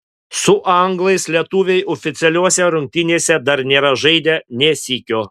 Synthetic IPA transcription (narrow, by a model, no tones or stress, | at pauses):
sʊʔɐŋɡlˠɐɪslʲiɛt̪uːʋʲɛɪʔɔfʲɪt̪sʲɛlʲuɔsʲɛɾʊŋʲk̚t̪ʲɪnʲeːsʲɛd̪ɐɾnʲeːɾɐʒɐɪd̪ʲɛnʲɛsʲiːkʲoː